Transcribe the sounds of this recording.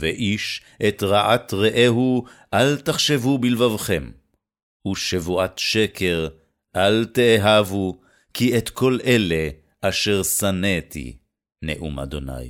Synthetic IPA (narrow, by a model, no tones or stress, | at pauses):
veʔiʃ | ʔet̪ʁaʔat̪ʁeʔeɦuʔalt̪aχʃevubilvavχe̞m | uʃevuʔat̪ʃekʰeʁ | ʔalt̪eːɦavu | kiet̪kʰo̞lʔele | ʔaʃeʁsanet̪ḭ | nḛʔṵma̰d̪o̞̰na̰j